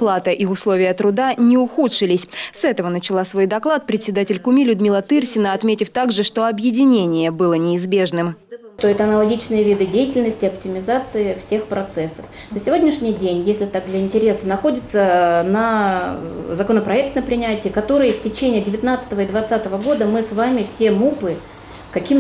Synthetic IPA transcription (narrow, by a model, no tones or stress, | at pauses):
plˠat̪əʔiʊslˠovʲɪjət̪ɾʊd̪anʲɪʊxut̪ʂɨlʲɪsʲsɛt̪əvənət͡ɕɪlˠasvo̞jd̪ɐklˠat̪̚pɾʲɪt̪ʲsʲɪd̪atʲɪlʲkʊmʲilʲʊd̪mʲilˠət̪ɨrsʲɪnəɐt̪mʲetʲɪft̪aɡʐɨʂt̪o̞ɐbjɪdʲɪnʲenʲɪjəbɨlˠənʲɪːzbʲe̞ʐnɨm | t̪o̞ɪt̪ɐnəlˠɐɡʲit͡ɕnɨjəvʲid̪ɨdʲejɪtʲɪlʲnəsʲtʲɪɐptʲɪmʲɪzat̪sɨɪfsʲe̞xpɾɐt̪sɛsːəf | nəsʲɪvo̞dʲnʲɪʂnʲɪjdʲenʲjesʲlʲɪt̪ak̚d̪lʲɐɪnʲtʲɪɾʲe̞sənɐxo̞dʲɪt̪sənɐ | zɐkonəpɾɐɛk̚t̪nəpɾʲɪnʲætʲɪjəkɐt̪o̞ɾɨjəftʲɪt͡ɕenʲɪjədʲɪvʲɪt̪nat̪sɨ̥t̪əvəid̪vɐt̪sat̪əvəɡo̞d̪əmɨsvamʲɪfsʲe̞mupɨ | kɐkʲim